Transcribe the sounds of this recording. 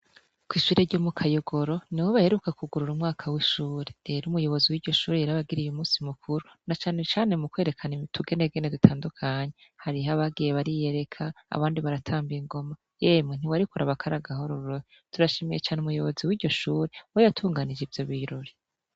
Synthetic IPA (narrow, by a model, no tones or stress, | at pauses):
kwiːʃuɾeɾɟoːmukʰajoɡo̞ɾo̞niwoβahe̞ɾukakʰuɡuɾuɾumŋaːkʰawiʃuːɾeɾe̞ːɾumujo̞βo̞ziwiːɟo̞ʃuːɾejaɾaβaɡiɾijumuːsimukʰuɾunat͡ʃaːne̞t͡ʃaːne̞mukwe̞ːɾe̞kʰanitʰuɡe̞neɡenedutʰaːndukʰaɲehaɾiɦaβaɡije̞βaɾije̞ɾe̞kʰa̰ːβaːndiβaɾatʰaːmbiiŋɡo̞ma | jeːmŋen̥iwaɾikoɾaβakʰaɾaɡaho̞ɾuɾɾoj | tuɾaʃimije̞t͡ʃaːneumujo̞βoziwiːɟɟo̞ʃuːɾe̞wojatʰuːŋɡanid͡ʒivjo̞βiɾoɾi